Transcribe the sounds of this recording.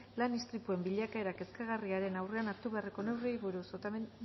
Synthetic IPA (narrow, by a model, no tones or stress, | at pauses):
lanist̪ɾipue̞mbiʎakae̞ɾake̞skaɣ̞ariaɾe̞nawre̞anat̪uβeariko̞ne̞wrejβuɾusot̪